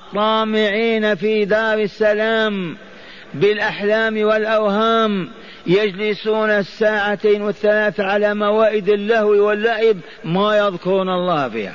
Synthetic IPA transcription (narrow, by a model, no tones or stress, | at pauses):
t̪ˤːɑːmɪʕiːnafid̪ɑːɾɪsːalaːm | bɪlʔaħlaːmwɪlʔawhaːm | jad͡ʒlɪsuːnasːaːʕat̪eːnwɪθːalaːθaʕalamawaːʔɪd̪ɪlːahwiwɪlːaːʕʔɪb | majɑðkʊɾuːnɑlˤːɑːhfḭːha̰